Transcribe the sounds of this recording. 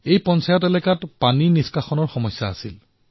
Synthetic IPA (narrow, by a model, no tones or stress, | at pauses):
ejpɔnsajɔtɛlɛkatpaniniskaxɔnɔɹxɔmɔsːaːsil